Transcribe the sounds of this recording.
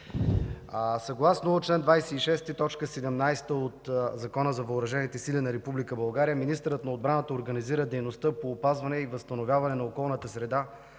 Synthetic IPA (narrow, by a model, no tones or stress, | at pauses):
sɐɡlˠasnot͡ʃlɛnd̪vajsɛiʃɛst̪it̪ɔt͡ʃkəsɛd̪ɛmnajst̪əot̪zɐkɔnəzɐvɐːɾɐʒɛnit̪ɛsilinɐɾɛpublikəbɐlˠɡaɾijəminist̪əɾət̪nɐod̪̚bɾanət̪əoɾɡəniziɾəd̪ɛjnost̪əpoːpazvɐnɛivəst̪ɐnovjavɐnɛnɐokɔlˠnət̪əsɾɛd̪a